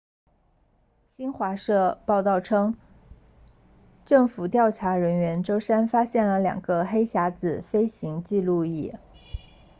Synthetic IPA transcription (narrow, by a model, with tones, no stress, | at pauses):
ɕi˥nxwa˧˥ʂɤ˥˧pɑ˥˧ʊt̪ɑ˥˩ʊʈ͡ʂʰɤ˥ŋ | ʈ͡ʂɤ˥˩ŋfu˨˩t̪jɑ˥˩ʊʈ͡ʂʰa˧˥ɻə˧˥nɥɛ˧˥nʈ͡ʂo˥ʊʂa˥nfa˥ɕjɛ˥˩nlə˦ljɑ̰˨˩ŋɡə˦xe˥ɪɕja˧˥t͡sɹ̩˨˩fe˥ɪɕi˧˥ŋt͡ɕi˥˧lu˥˧ḭ˥˩